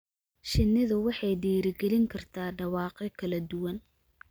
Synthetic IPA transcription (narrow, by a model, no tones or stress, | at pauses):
ʃɪnːɪðʊwɑħɑjɖiːɾɪɡɛlɪŋkʰɐrt̪ʰaːɖɑwɑːqɛkʰɐlɐd̪ʊwɐn